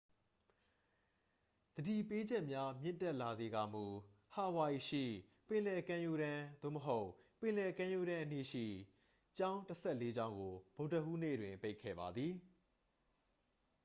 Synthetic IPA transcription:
d̪̥ədi˨pe˦d͡ʑɛ˦ʔmja˦mjɪ̰̃˦˨ntɛ˦ʔla˨ze˨ɡa˨mu˨ | ha˨wa˨i˨ʃḭ˦˨ | pɪ̃˨lɛ˨kã˦ju˦ɾã˦d̪o̰˦˨məɦo˦ʊpɪ̃˨lɛ˨kã˦ju˦ɾã˦ʔə˦ni˦˨ʃḭ˦˨ | t͡ɕã˦ʊ̃ntəsʰɛ˦˨le˦d͡ʑã˦ʊ̃ŋɡo˨bo˨ʊ̃tə˨ʔu˦nḛ˦˨dwɪ̃˨mpe˦ɪkʰːɛ̰˦˨ba˨d̪ði˨

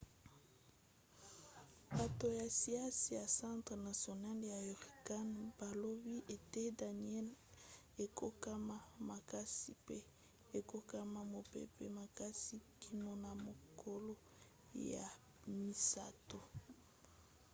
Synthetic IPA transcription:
ba˨to˨ja˨si˨˦a˦si˨ja˨sã˦tχna˨sjo˨na˦lja˨i˨ʁi˨ka˦nb̥a˨lo˦bi˦ʔe˨te˦da˨ni˨˦ɛ˦l | e˨ko˦ka˦ma˦ma˨ka˦si˦pe˦ | e˨ko˦ka˦ma˦mo˨pḛ˦pḛ˦ma˨ka˦si˦kʰi˨no˨na˨mo˨kʰo˦lo˦ | ja̰˨ | mi˨sa˦to˨

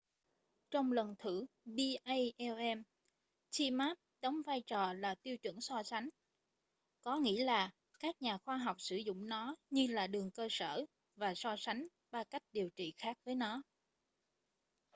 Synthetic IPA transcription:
t͡ɕɔ˧wŋ͡mlə˨˩nt̪ʰɨ˧˩ | ɓi˧ʔə˧jʔɛ˧ʔɛ˧m | t͡ɕi˧maː˦˥p̚ɗɔ˨˦wŋ͡mvaː˧jt͡ɕɔ˨˩laː˨˩t̪i˧əwt͡ɕwɨ̰˧˩ŋsɔ˧sa˨˦ŋ̟ | kɔ˨˦ŋḭ˧˥laː˨˩ | kaː˦˥k̚ɲaː˨˩xwaː˧ɦɔ˨˩wk͡p̚sɨ˧˩zʊ̰˧˨ŋ͡mnɔ˨˦ɲɨ˧laː˨˩ɗɨ˨˩əŋkəː˧sə̰ː˧˩ | vaː˨˩sɔ˧sa˨˦ŋ̟ | ɓaː˧ka˦˥jk̟̚ɗi˨˩əwt͡ɕḭ˧˨xaː˦˥k̚vəː˨˦jnɔ˨˦

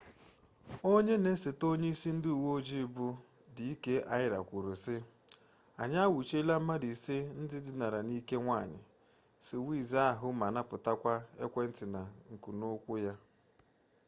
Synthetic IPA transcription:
o˦ɲe˦ne˦sɪ˨to˦ɲe˦i˦si˦n̩˦dɪ˦u˨wo˦d͡ʒi˦˨bʊ˦ | dɪ˨i˦ke˦ʔa˦ɪ˦ɾa̰˨kʷʊ˨ɾʊ˨sɪ˦ | a̰˨ɲa˦wu˨t͡ʃe˦la˦m̩˦a˦di˨se˦n̩˦dɪ˦dɪ˦na˨ɾa˨ni˦ke˦ŋʷa˦˨ɲɪ̰˨ | sɪ˨wi˦˨za˦a˦˨ɦʊ˦ma˨na˦pʊ˨ta˦kʷa˦e˦kʷe˦n̩˦tɪ˨na˨ŋ̩˨ku˨nʊ˦kʷʊ˦ja˦

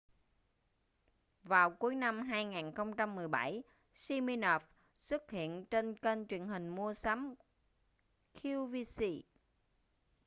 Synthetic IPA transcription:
vaː˨˩wku˨˦əjna˧mɦaː˧jŋaː˨˩nxə˧wŋ͡mt͡ɕa˧mːɨ˨˩əjɓa˧˩j | si˧mi˧nɔ˨˩f | swɨ˦˥k̚hḭ˧˨ənt͡ɕe˧nkə˧nt͡ɕwi˨˩ənhï˨˩ŋ̟mu˧əsa˨˦m | kʰi˧vi˧si˧

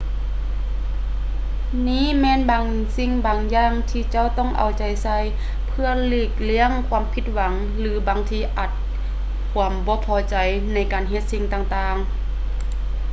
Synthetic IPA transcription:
niː˧˥˨mɛː˧˥˨nbaː˨ŋ | si˧˨ŋbaː˨ŋjaː˧˩ŋt̪ʰiː˧t͡ɕa˧˥˨wt̪ɔ˧˥˩ŋʔa̰˨˩wt͡ɕa˨˩jsa˧j | pʰɯ˧ɐliː˧˩k̚li˧˥˨əŋkʰwaː˧˥mpʰi˧˦t̪̚wa˨˦ŋ | lɯː˨˦baː˨ŋt̪ʰiː˧ʔa˧˩t̪̚ | kʰuː˧˦mbɔː˧˦pʰɔː˧˦t͡ɕa˨˩j | na˧˥˩jkaː˨nɦe˧t̪̚si˧˥ŋt̪aː˧˩ŋt̪aː˧ŋ

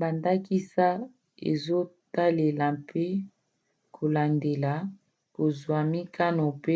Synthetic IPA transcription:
ba˨nda˦ki˦sa˦ | ḛ˨zo˦ta˦le˨la˨pʰe˦ | kʰo˨la˨nde˨la˨ | ko˨zwa˨mi˦kʰa˦no˨pe˦

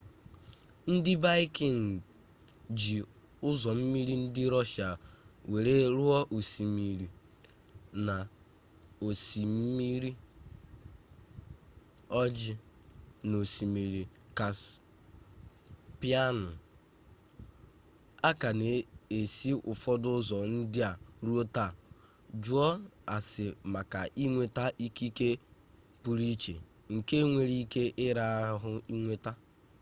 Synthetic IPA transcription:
n̩˦dɪ˦va˦ɪ˦ki˨ŋ˨ | d͡ʒi˨ | ʊ˦zɔ˨m̩˦mi˦ɾi˦n̩˦dɪ˦ɾɔ˦ʃa˨we˨ɾe˦ɾʊ˦ɔ˦ʔu˨si˨mi˨ɾi˨ | na˨ | o˨si˨m̩˦mi˦ɾi˦ | ɔ˦d͡ʒɪ˦ | no˨si˨mi˨ɾi˨ | ka˨s | pi˦a˦nʊ˨ | a˦ka˨ne˨e˨si˦ʔʊ˨fɔ˦dʊ˦zɔ˨n̩˦dɪ˦a˨ɾu˦o˦ta˦˨ | d͡ʒu˦ɔ˦a˨sɪ˨ma˨ka˨ʔi˦ŋʷe˨ta˦ʔi˦ki˦ke˦ | pu˨ɾi˦t͡ʃḛ˨ | ŋ̩˨ke˦ŋʷe˨ɾi˦ke˦ʔɪ˦ɾa˦ɦʊ˦i˦ŋʷe˦ta˦

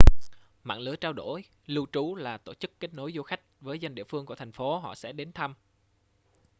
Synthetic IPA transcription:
ma̰ː˧˨ŋlɨ˨˦ət͡ɕaː˧wɗo˧˩j | lɨ˧wt͡ɕu˨˦laː˨˩t̪o̰˧˩t͡ɕɨ˦˥kːe˦˥t̚no˨˦jzo˧xa˦˥jk̟̚vəː˨˦jza˧ŋ̟ɗḭ˧˨əfɨ˧əŋku˧˩ət̪ʰŋ̟fo˨˦ɦɔ̰˧˨sɛ̰˧˥ɗe˨˦nt̪ʰa˧m

